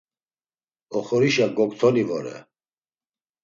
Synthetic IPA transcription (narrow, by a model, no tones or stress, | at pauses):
ɔχɔɾiʃaɡɔkʼt̪ʰɔnivɔɾɛ̰